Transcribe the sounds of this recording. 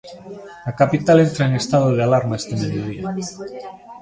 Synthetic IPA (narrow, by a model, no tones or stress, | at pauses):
akapit̪alent̪ɾaeŋest̪aðoðealaɾmaest̪emeðjoð̞ia